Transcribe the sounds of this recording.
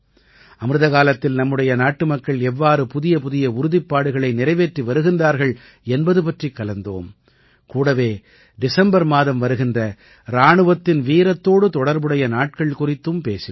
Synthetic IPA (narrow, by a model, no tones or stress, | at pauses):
ɐmɯɾɯðɐɣaːlɐt̪ːɪlnɐmːɯɽɐjɐnaːʈːɯmɐkːɐɭɛʋːaːɾɯpʊðɪjɐpʊðɪjɐʊɾʊðɪpːaːɽɯɣɐɭɐɪnɪɾɐɪʋeːʈriʋɐɾɯɣɪndraːɾɣɐɭ | ɛnbɐðɯpɐʈrikːɐlɐnd̪o̰ːm | kuːɽɐʋeː | ɖɪsɛmbɐɾmaːðɐmʋɐɾɯɣɪndrɐ | ɾaːɳɯʋɐt̪ːɪnʋiːɾɐt̪ːoːɽɯt̪ɔɽɐɾbɯɽɐjɐnaːʈ̚kɐɭkʊrɪt̪ːɯmpeːsɪ